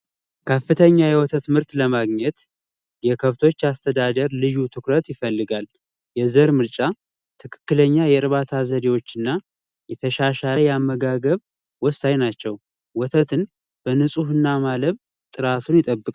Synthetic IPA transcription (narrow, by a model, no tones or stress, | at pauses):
kʰəfɨt̪ʰəɲːajɛwɔt̪ʰət̪mɨɾt̪ləmaɡɲɛt̪ | jɛkʰəβt̪ʰo̞t͡ʃːast̪ʰəd̪ad̪əɾlɨʒut̪ʰɨkɾət̪jɪfəlːɨɡal | jɛzəɾmɨɾt͡ʃʼa | t̪ʰɨkʰɨ̥kːɨləɲːajɛɨɾβat̪ʰazəd̪ewo̞t͡ʃːɨnːa | jɛt̪ʰəʃaʃajɛamːəɡaɡəβ | wɔsajnat͡ʃːɛw | wɔt̪ʰət̪ʰɨn | b̥ənɨsʼuhɨnːamaləβ | t̪ʼɨɾat̪ʰunjɪt̪ʼəbːɨkʼ